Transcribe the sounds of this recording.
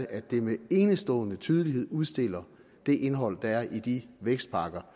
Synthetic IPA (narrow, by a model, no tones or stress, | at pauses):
ʔæ̥e̝mee̝ːnəsd̥ɔ̰̽ːnət͡sʰyːð̞ˠəliɦe̝ð̞̰ˠuð̞ˠsd̥e̝l̰ɐ | d̥e̝ʔenɦɒ̽l̰d̥ɑæɐʔid̥iʋeɡ̥sd̥̚pʰɑ̈ːɡ̥ɐ